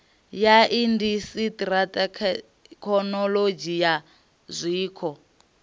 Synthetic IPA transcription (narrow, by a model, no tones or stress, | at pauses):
jaʔindisitratʼakʰ | kʰɔnɔlod͡ʒija | zʷiːkʰɔ